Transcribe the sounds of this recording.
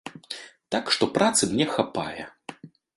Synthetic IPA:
t̪akʂt̪ɔpɾat̪sɨmnʲɛxapa̰jɛ̰

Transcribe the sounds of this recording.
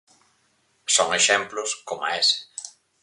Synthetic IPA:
soŋeʃɛmplʊskoma̰ɛsɪ̥

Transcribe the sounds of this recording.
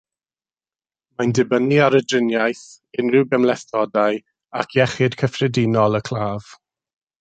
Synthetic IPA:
mandɪbəniaɾədrɪnjajθ | ɪnrɪwɡəmlɛθɔdaj | akʰjɛχɪd̥kʰəfrɛdinɔlˠəkʰl̥ˠaːv̥

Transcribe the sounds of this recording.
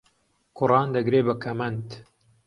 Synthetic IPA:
kʰʊrɑːnd̪ɐɡɾeːbɐkʰɐmɐnt̪

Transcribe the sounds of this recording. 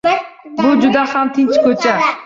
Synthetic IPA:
bʊd͡ʒʊd̪ahamt̪ʰɪnt͡ʃkʰɵt͡ʃʰa

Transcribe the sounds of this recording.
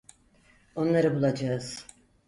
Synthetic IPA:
o̞nlˠaɾɯbulˠad͡ʒaɯz̥

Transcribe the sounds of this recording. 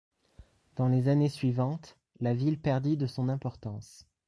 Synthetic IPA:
d̪̥ɑ̃lezanesɥivɑ̃t̪ | lavilpɛʁd̪id̪əsɔ̃nɛ̃pɔʁt̪ɑ̃s

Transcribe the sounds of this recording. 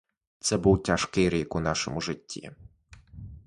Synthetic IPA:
t̪sɛbuwtʲaʃkɪjɾikʊnɑʃɔ̰mʊʒɪtʲːḭ

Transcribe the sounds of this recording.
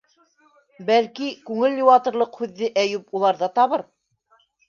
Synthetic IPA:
bælkikʉŋɘljuwɑt̪ɤ̆ɾlˠɤqhʉðːɘʔæjʉpulˠɑɾðɑt̪ɑβɤɾ

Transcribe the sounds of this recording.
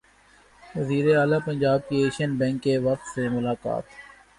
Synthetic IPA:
ʋɐziːɾeaːlapɐ̃nɲd͡ʒaːb̚kieːʃiənbɛ̃ːŋkːeʋɐq̚t̪semʊlaːka̰ːt̪

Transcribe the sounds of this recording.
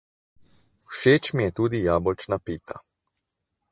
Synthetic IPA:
wʃeːt͡ʃmijɛt̪uːd̪ijaːbɔlt͡ʃnapiːt̪a̰

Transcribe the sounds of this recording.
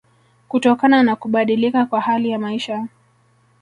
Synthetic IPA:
kutɔkananakuɓaɗilikakwahalijamaiʃa

